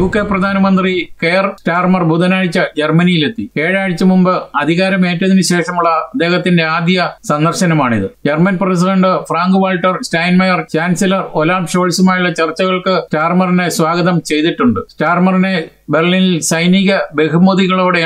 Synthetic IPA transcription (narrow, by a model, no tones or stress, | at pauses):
juːkːeprɐd̪ʱaːnɐmɐnd̪rikersʈaːrmɐrbʱuðɐnaːɻit͡ɕːɐd͡ʑermɐnijile̞t̪ːikeːɻaːɻit͡ɕːɐmumbɨɐd̪ʱiɣaːɾɐme̞ːtːɐðinɨɕe̞ːʂɐmuɭːɐd̪ːe̞ːhɐt̪ːinde̞aːd̪jɐsɐnd̪ɐrɕɐnɐmaːɳiðɨd͡ʑermɐnpres̬iɖɐɳɖɨfraːŋɡɨʋaːlʈːɐrsʈɐjnmɐjɐrt͡ɕaːnsilɐrolaːbʂo̞ːɻsumaːjuɭːɐt͡ɕɐrt͡ɕːɐɣɐɭkɨʈaːrmɐrine̞swaːɡɐðɐmt͡ɕe̞jðiʈːuɳɖɨsʈaːrmɐrine | be̞rlinilsɐjniɣɐbe̞kʰumoðiɣɐɭoːɽe̞